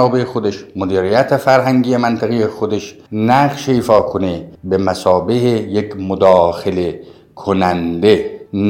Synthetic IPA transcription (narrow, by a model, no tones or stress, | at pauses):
ɒːbeexod̪eʃmod̪iːɾijæt̪ʰefæɾɦæŋɡijemænt̪ʰeɣejexod̪eʃ | næʁʃeiːfɒːkʰonebemæsɒːbehejekʰmod̪ɒːxele | kʰonænd̪e̞n